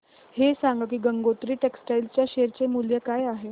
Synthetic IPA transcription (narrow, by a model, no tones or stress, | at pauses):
hesaŋɡək̬iːɡəŋɡot̪ɾiːʈeksʈajlt͡ɕjaɕeɾt͡ɕemuljəkajaɦe